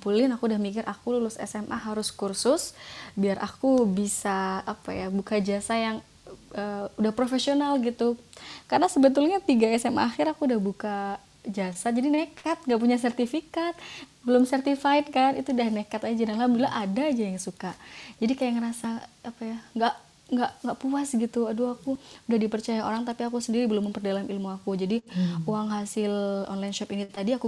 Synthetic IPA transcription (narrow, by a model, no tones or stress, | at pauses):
pulɪnakuːdahmikɪrʔakululʊsɛ̰sɛmʔaɦaɾʊskursʊsbiarʔa̰kubisaːpa̰jabukad͡ʒasajaŋ | əudahpɾofesionalɡit̪u | karənasəbət̪̬ʊlɲat̪iɡaɛsɛma̰xɪɾakuːdahbuka | d͡ʒasad͡ʒadinekʰat̪̚ŋɡaʔpuɲas̬ɛrt̪ifikat̪̚bəlʊmsɛrt̪ifaɪt̪̚kanit̪udanekat̪ad͡ʒd͡ʒadanlabilaʔadad͡ʒajaŋsukad͡ʒadikajaŋrasaapajaŋɡaʔ | ŋɡaʔŋɡaʔpuasɡit̪uaduakuudahdipərt͡ʃajao̰ɾaŋt̪apiakusəndiɾibəlʊmːəmpərdalamilmuakud͡ʒadiuaŋɦasɪlɔ̰nlainʃɔpinit̪adiaku